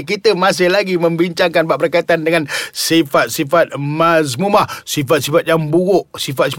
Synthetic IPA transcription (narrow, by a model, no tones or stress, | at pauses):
k̬it̪əmas̬ɪhlaɡimə̃mbiɲt͡ʃaŋkanbaʔbərkait̪andəŋansifat̪̚sifat̪̚mas̬mumahsifat̪̚sifat̪̚jaŋbuɣʊʔsifat̪̚si